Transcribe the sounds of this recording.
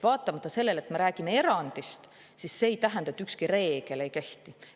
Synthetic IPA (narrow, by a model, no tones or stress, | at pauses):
vɑːt̪ːˑɑmɑt̪ːˑɑse̞lːe̞let̪me̞ɾæːɡimee̞ɾɑnd̪̥ist̪ | sisse̞ːjt̪æɦænd̪̥ɑet̪ːˑykskiɾe̞ːɡ̥e̞le̞jke̞ht̪i